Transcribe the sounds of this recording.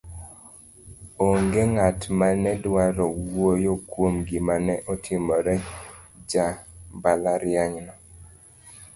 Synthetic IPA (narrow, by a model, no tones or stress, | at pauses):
oŋɡeŋatmanɛdwaɾɔwojokwomɡimanɛʔɔtʰɪmɔɾɛd͡ʒabalaɾjaŋnɔ